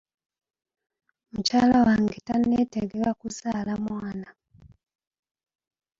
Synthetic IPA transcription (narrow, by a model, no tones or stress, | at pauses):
mucaːlawaːŋɡetanːeteɡekakuzaːlamwaːna